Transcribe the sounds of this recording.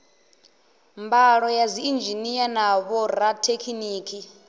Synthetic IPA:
mbaɺɔjaziind͡ʒinijanaβɔɾatʰekʰiniːkʰi

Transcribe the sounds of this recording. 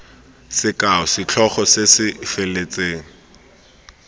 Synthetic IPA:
sɪkaɔsɪt͡ɬʰɔχɔsesɪfelet͡sʼeːŋ̩

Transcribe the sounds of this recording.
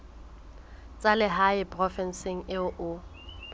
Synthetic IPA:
t͡sʼalɪɦapʼrɔfɛnsɪŋ̩ɪʊʔʊ

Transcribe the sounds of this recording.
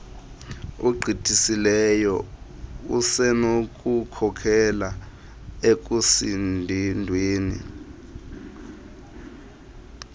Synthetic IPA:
uɡ͡ǃʱitʰʼisilɛjɔ | ṵsɛnok̬ʼukʰɔkʰɛla | ek̬ʼusindʱendʱweːnḭ

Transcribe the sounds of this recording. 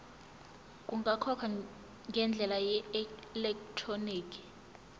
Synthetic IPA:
kʼuŋɡʱakʰɔkʰa | ŋɡʱɛnd͡ɮʱɛlajɛlɛktʰroniːkʰi̥

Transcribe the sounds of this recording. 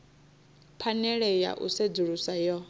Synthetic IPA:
pʰanɛɺɛja̰ʔṵsed͡zuɺusajɔ

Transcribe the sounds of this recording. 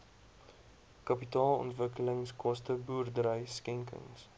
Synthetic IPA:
kɐpitɑːlˠɔ̰ntvəkələŋskʰɔstəbuːrdəɾəjskɛŋkə̰ŋs

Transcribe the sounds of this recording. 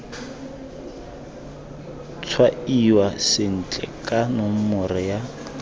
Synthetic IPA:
t͡sʰwaiwasɪn̩t͡ɬʼɛ̰kʼanom̩mʊrɪja

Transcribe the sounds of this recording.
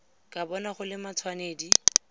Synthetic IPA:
kʼabɔnaχʊlɪmat͡sʰwaneːdi

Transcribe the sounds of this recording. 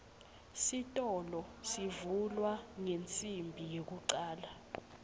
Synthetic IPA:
sitʼɔlɔsivulwaŋent͡sʼimbʱijek̬uǀaːla

